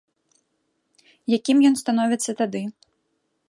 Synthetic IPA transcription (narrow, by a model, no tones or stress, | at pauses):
jakʲimjɔnst̪anɔvʲɛt̪sːɐt̪ad̪ɨ